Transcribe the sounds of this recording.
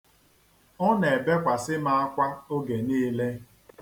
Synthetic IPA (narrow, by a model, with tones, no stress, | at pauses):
ɔ˦ne˨be˦kʷa˨sɪ˦ma˨a˦kʷa˦o˦ɡe˨niː˦le˦